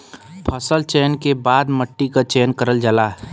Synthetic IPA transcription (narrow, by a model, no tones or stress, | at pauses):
pʰɐsəlt͡ʃeːnkebaːd̪məʈːikat͡ʃeːnkəɾəld͡ʒəlaːɦ